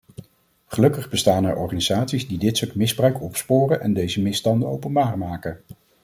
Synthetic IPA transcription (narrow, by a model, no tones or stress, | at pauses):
χəlɵkəχbəstaːnɛɹɔ̰ɹχaniz̥aːtsizdidɪtsotmɪzbrœɥkɔpspoːrənʔɛndejzəmɪstɑndəo̰wpənbaːɹmaːkə